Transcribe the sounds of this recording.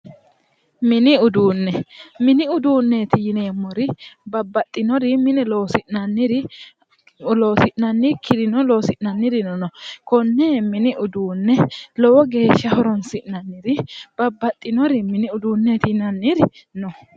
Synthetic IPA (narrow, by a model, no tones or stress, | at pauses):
mɪnɪʊd̪uːnːɛmɪnɪʊd̪uːnːe̞t̪ɪjɪne̞ːmːɔɾɪbɐbːɐt̪ʼːɪnɔɾɪmɪnɛlɔːsɪʔnɐnːɪɾɪ | loːsɪʔnɐnːɪkʰɪd̪ɪnɔloːsɪʔnɐnːɪɾɪnɔnɔkɔnːeːmɪnɪʔʊd̪uːnːɛlɔwɔɡe̞ːʃːɐhɔɾɔnsɪʔnɐnːɪɾɪb̥ɐbːɐt̪ʼːɪnɔɾɪmɪnɪʊd̪uːnːeːt̪ɪjɪnɐnːɪɾɪ | nɔ